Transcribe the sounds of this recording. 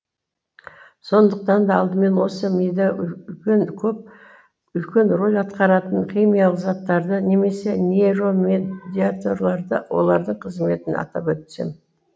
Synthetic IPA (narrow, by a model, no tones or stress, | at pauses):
so̞nd̪əq̚t̪ɑnd̪ɑːlˠd̪əme̞nwo̞səmejd̪ɑnkʲʰɵp̚ | ʏlkʲe̞nro̞lʲɑt̪qɑɾɑt̪əɴχʲijmijalˠəqzɑt̪ːɑɾd̪əne̞me̞se̞neɾo̞med̪ʲiat̪o̞ɾlˠɑɾd̪ə̰wʔo̞̰lˠɑɾd̪əɴqʰəzme̞t̪ɪnɑ̰t̪ɑpwɵt̪sḛm